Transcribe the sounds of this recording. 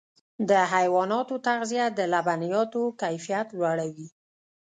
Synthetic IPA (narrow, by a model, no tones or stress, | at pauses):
d̪əɦajwɑnɑt̪ot̪aɣzijad̪əlabanijɑt̪okajfijat̪lwaɽawi